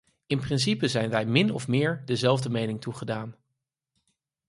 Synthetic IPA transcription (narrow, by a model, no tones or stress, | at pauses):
ɪnprɪns̬ipəzɛjnʋɛjmɪnɔ̰fmɪːɹdəzɛlˠvdəmejnɪŋtuχədaːn